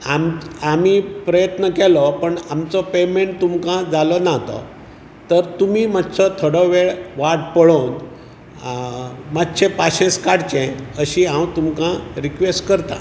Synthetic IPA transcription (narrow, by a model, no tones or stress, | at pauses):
amamiːpɾəjət̪nəkɛlɔpəɳamt͡sɔpemeɳʈ̚t̪umkãd͡zalɔnaɦt̪ɔ̰ | t̪əɾt̪umiːmatːt͡sɔt̪ʰoɔɽɔʋeɭʋaʈpəɭon | matːɕʰẽpaɕẽskaɽt͡ɕɛ̃əɕiãwt̪umkãɾikʋesʈkəɾt̪ã̰